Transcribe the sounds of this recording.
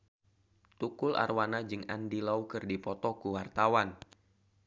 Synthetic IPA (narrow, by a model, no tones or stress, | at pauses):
t̪ukʊla̰rwanad͡ʒɨŋa̰ndilaukɨrdipɔt̪ɔkuwart̪awan